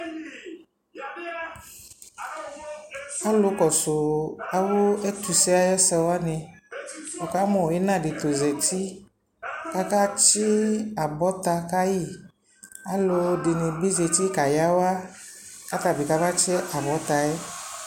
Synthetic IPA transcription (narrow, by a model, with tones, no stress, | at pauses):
a˦lo˨˦kɔ˨so˨a˨wo˦ɛ˦t̪u˨sɛ˦a˦jɔ˦sɛ˦wa˦nẽ˨ | fo˨ka˦mɔ̃˨e˦nã˦˨ɖe˨t̪o˨zɛ˨ti˦ | ka˦ka˦t͡ʃe˦a˨bɔ˦t̪a˧ka˦ji˦˨ | a˦lo˧ɖe˨nẽ˨bi˦ze˧ti˦ka˨ja˦wa˦ka˦t̪a˨bi˨ka˦va˦t͡ʃɛ˦ʔa˨bɔ˨˦t̪a˨ɛ˦